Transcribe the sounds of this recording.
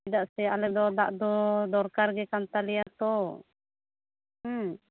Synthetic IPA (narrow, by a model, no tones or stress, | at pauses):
idaʔsɛalɛd̪ɔd̪a̰ʔd̪ɔd̪ɔɾkaɾɡɛkant̪aliat̪ɔ